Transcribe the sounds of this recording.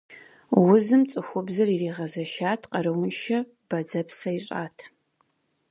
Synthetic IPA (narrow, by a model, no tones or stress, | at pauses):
wʊzɨmt͡sʼɨxʷʊbzɐririːʁɐzɐʃaːtʰqɐrɨwʊnʃɐ | b̥ɐd͡zɐpsɐiɕʼa̰ːtʰ